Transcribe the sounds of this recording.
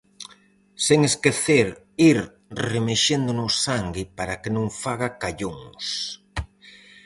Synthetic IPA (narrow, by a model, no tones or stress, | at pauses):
seŋeskeθeɾ | iɾ | remeʃend̪ʊnʊssaŋɡɪpaɾakenõŋfaɣakaʎoŋs